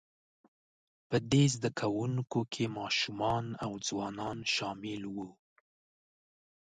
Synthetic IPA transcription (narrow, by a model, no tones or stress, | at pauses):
pəd̪ezd̪akʰawuŋkokʰemɑʃumɑnawd͡zwɑnɑnʃɑmɪlwu